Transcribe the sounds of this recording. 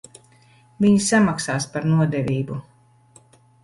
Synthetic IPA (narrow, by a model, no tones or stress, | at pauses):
viɲsamaksaːspaɾnuɔd̪ɛvʲiːbu